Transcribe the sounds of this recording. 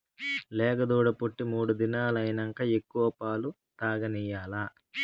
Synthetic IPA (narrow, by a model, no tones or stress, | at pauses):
lɛːɡɐd̪uːɽɐpuʈːimuːɽud̪inaːlɐjnɐŋkɐe̞kːuʋɐpaːlu | t̪aːɡɐnijaːlaː